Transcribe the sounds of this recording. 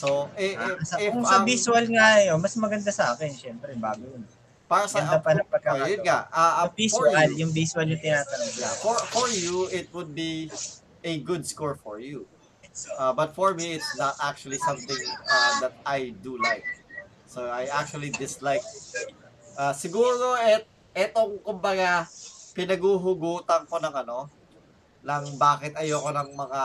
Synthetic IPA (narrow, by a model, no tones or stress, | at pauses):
soɛsɐkʊŋsɐbiswɐlŋajomɐsmɐɡɐnd̪asɐʔa̰ːkɛnʃɛmpɾɛba̰ːɡʊjʊn | paɾasɡɐnapɐnɐŋpɐɡ̚kɐajʊnŋaaʊŋbiswɐljʊŋbiswɐlɲʊt̪ɪnaːt̪ɐnɐɡlafɔɹfɔɹjuɪt̪̚wʊd̪̚bi | ɛɡʊd̪̚skɔɹfɔɹju | ʔabɐt̪̚fɔɹmiɪt̪snɐt̪ak̚t͡ʃʊɐlisɐ̃mt̪ɪ̃ŋd̪ɐt̪̚ajd̪ulajk̚ | soajʔak̚t͡ʃuɐlid̪ɪslajk̚ | ʔasɪɡuːɾo̞ɛt̪̚ | ʔɛt̪oŋkʊmbɐɡapɪnɐɡuːɦʊɡuːt̪ɐŋko̞nɐŋɐno̞ | lɐŋbaːkɪt̪̚ɐjoɐko̞nɐŋmɐŋa